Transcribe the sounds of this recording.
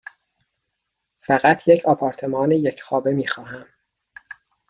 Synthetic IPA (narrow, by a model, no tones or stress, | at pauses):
fæɣæt̪ʰjecʰɒːpʰɒːɾt̪ʰe̞mɒːnejecʰχɒːbemiːxɒːɦæm